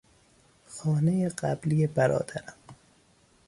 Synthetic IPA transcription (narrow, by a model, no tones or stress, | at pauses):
xɒːnejeɢæbliːjebæɾɒ̰ːd̪̥æɾæm